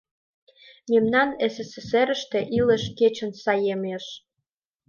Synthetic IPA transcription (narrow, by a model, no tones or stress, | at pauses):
memnɑneseseseɾə̆ʃt̪e̽ʔiləʃket͡ɕə̆nsɑjemeʃ